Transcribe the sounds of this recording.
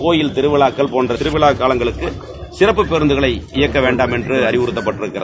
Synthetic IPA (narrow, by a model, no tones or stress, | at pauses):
koːjɪlt̪ɪɾɯʋɪɭaːkːɐɭpoːndrɐt̪ɪɾɯʋɪɭaːkːaːlɐŋɡɐɭɯkːɯ | sɪrɐp̬ːɯpːɛɾɯnd̪ɯɣɐɭɐɪɪjɐkːɐʋeːɳɖaːmɛndrɯɐɾɪʋʊɾɯt̪ːɐpːɐʈːɪɾɯkːɪrɐ̰ð